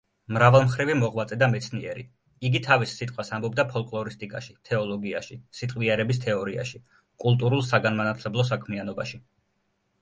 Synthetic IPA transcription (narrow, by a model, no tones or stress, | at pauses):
mɾavalˠmχɾivimɔʁmat̪sʼɛd̪amɛt̪sʰniɛɾḭ | iɡit̪ʰavisːit̪ʼqʼwasambɔb̚d̪apʰɔlˠkʼlˠɔɾist̪ʼikʼaʃit̪ʰɛɔlˠɔɡiaʃisit̪ʼqʼviɛɾɛbis̬t̪ʰɛɔɾia̰ʃi | kʼulˠt̪ʼuɾulˠsaɡanmanat̪ʰlɛblˠɔs̬akʰmianɔba̰ʃi